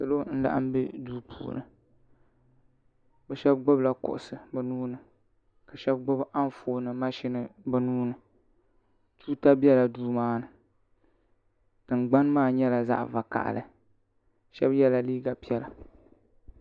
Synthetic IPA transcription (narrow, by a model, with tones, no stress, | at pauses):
sɨ˨lo˦n̩˦la̰˦ʔa̰˦m˦be˦duː˦pʰṵː˨nɨ̰˨ | bɛ˨ʃɛ˦bɡ͡bʊ˦bla˨kʊ̰˨ʔʊ˨sɨ˨bɨ˨nuː˦nɨ˨ | ka˨ʃɛ˦b̚ɡ͡bʊ˦bʔa˦n˦foː˨nɨ˨ma˦ʃi˦nɨ˨bɨ˨nuː˦nɨ˨ | tʰuː˦ta˦bɛ˦la˨duː˦maː˦nɨ˨ | d̥ɨ˨ŋ˨ɡ͡ba˦nmaː˦ɲɛ˦la˨za̰˦ʔva˨ka̰˨ʔlɨ̰˨ | ʃɛ˦bjɛ˦la˨liː˦ɡa˨pi˦ɛ˦la˨